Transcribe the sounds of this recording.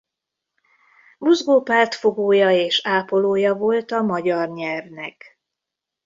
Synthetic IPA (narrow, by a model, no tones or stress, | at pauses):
muzɡoːpaːrt̪fo̞ɡoːjɒeːʃaːpo̞loːjɒvo̞lt̪ɒmɒɟɒrɲɛvnɛk